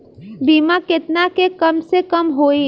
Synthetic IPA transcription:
biːmakɪt̪nakekɐmsekɐmɦoːi

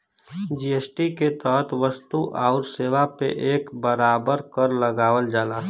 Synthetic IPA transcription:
d͡ʒiːeːsʈiket̪əɦət̪ʰʋəst̪uʔaːʊɾseːʋapḛʔeːkbəɾaːbəɾkəɾləɡaːʋəld͡ʒaːla

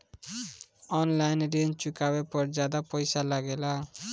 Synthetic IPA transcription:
ɔnlajnɾent͡ʃukabepɔɾd͡ʒad̪apɔjsalaɡela

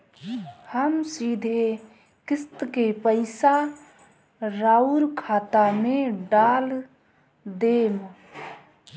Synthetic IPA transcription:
həmsid̪ʱe | kɪst̪kepəɪsa | ɾauɾkʰaːt̪ameɖal | d̪em

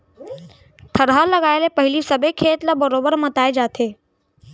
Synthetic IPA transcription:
t̪ʰəɾɦalɐɡaːelepɐɦɪlisɐbʱekʰːeːt̪labəɾoːbəɾmət̪aːed͡ʒaːt̪ʰeː

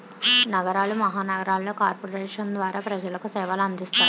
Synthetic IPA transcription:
nɐɡɐɾaːlumɐɦaːnɐɡɐɾaːlːo̞ːkaːɾpoːɾeːʂɐnd̪ʋaːɾaːpɾɐd͡ʒɐlɐkusɛːʋɐlɐnd̪ist̪aːɾu

